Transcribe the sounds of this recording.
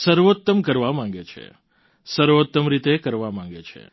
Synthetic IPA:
səɾʋot̪ːəmkəɾʋamãŋ̆ɡet͡ʃʰḛ | səɾʋot̪ːəmɾit̪ekəɾʋamãŋ̆ɡet͡ʃʰḛ

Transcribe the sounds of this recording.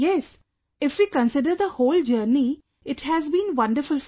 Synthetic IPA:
jɛs | ɪfʋiːkə̃nsɪɖəɾd̪əhoːld͡ʒəːɾni | ɪʈhæzbĩːnʋʌ̃nɖəɾfʊls

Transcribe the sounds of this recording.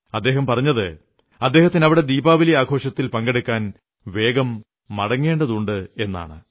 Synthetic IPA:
ɐd̪ːe̞ːɦɐmpɐrɐɲːɐðɨ | ɐd̪ːe̞ːhɐt̪ːinɐʋiɽe̞d̪iːbaːʋɐliaːɡʰʱo̞ːʂɐt̪ːilpɐŋɡeɽukːaːn | ʋe̞ːɡɐmː | ɐɽɐŋːe̞ːɳɖɐðuɳɖɨe̞nːa̰ːɳɨ̰

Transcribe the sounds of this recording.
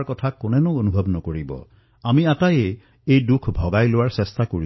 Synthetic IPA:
kɔt̪ʰakonenuonubʱɔbnɔkoɹibɔ̰ | amiataje | ejdukʰbʱɔɡajlowaɹsest̪akoi

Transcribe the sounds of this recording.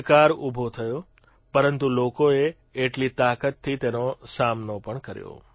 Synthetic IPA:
kaɾubʱot̪ʰəjo | pəɾənt̪ulokoeː | ʈlit̪akət̪ʰːit̪enosamnopəɳkəɾjo̰

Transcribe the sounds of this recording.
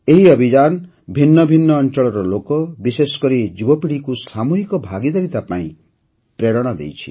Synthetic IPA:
eɦiɔbʱid͡ʒan | bʱinːɔbʱinːɔːnt͡ʃɔɭɔɾɔlokɔbisesɔ̥kɔɾid͡ʒubɔpiɽikusamuɦikɔbʱaɡid̪ɔɾit̪apaḭ̃ | pɾeɽɔɽ̃ɔd̪ḛjt͡ʃʰi̥̰

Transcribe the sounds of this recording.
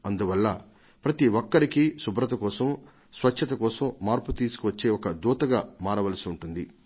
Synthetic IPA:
ɐnd̪uʋɐlːɐ | pɾɐt̪iʋokːɐɾikisubɾɐt̪ɐkɔːsɐm | sʋɐt͡ʃt͡ʃʰːɐt̪ɐkɔːsɐmːaːɾput̪iːsu̥kuʋɐt͡ʃːe̞ːɔkɐd̪uːt̪ɐɡaːmaːɾɐʋɐlɐsiuɳʈund̪i

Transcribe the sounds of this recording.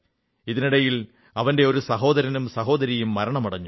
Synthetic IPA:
iðiniɽɐjil | ɐʋɐnde̞o̞ɾusɐɦo̞ːðɐɾɐnumsɐɦo̞ːðɐɾijumːɐɾɐɳɐmuɽɐɲːu

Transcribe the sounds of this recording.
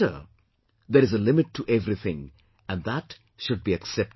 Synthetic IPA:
ə̰ | d̪eɾɪzəlɪmɪʈʰːuʔɛʋɾit̪ʰɪ̃ŋ | æ̃nd̪æʈ | ʃʊɖ̚biɨksɛp̚

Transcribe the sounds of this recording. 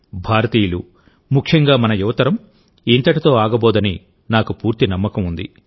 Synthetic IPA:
bʱaːɾɐt̪iːjulu | mukʰjɐŋɡaːmɐnɐjuʋɐt̪ɐɾɐm | int̪ɐʈit̪o̞ːaːɡɐbɔːd̪ɐni | naːkupuːɾt̪inɐmːɐkɐmund̪ḭ

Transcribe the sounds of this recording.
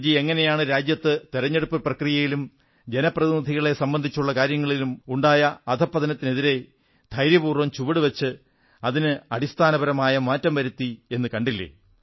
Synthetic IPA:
d͡ʑie̞ŋːɐne̞jaːɳɨɾaːd͡ʑjɐt̪ːɨt̪iɾɐɲːe̞ɽupːɨprɐkrijɐjilum | d͡ʑe̞nɐprɐðinid̪ʱiɣɐɭe̞sɐmbɐnd̪ʱit͡ɕːuɭːɐkaːɾjɐŋːɐɭilumuɳɖaːjɐːd̪ʰʱɐpːɐðɐnɐt̪ːine̞ðiɾe̞ | d̪̥ʱɐjɾjɐbuːrʋɐmt͡ɕuʋɐɽɨʋɐt͡ɕːɨ | ɐðinɨɐɽist̪ʰaːnɐbɐɾɐmaːjɐmaːtːɐmʋɐɾut̪ːie̞nːɨkɐɳɖilːḛ

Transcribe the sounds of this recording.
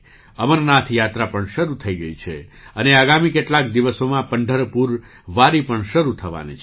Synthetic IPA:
əmənnat̪ʰjat̪ɾapəɳʃəɾut̪ʰəiɡəit͡ʃʰe | əneaɡamikeʈlak̚d̪iʋəsomãpəɳɖʱəɾpuɾ | ʋaɾipəɳʃəɾut̪ʰəʋa̰nḭt͡ʃ

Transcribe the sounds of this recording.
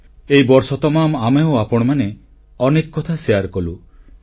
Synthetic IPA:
eibɔɾsɔt̪ɔmamameoapɔɽ̃ɔmane | ɔnekɔkːɔt̪ʰaseaɾkɔlu

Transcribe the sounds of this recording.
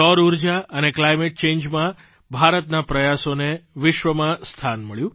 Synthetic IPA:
ɔɾuɾd͡ʒaʔəneklajmeʈ̚t͡ʃẽnd͡ʒmã | bʱaɾət̪napɾəjasoneʋɪʃʋəmãst̪ʰanməɭjũ

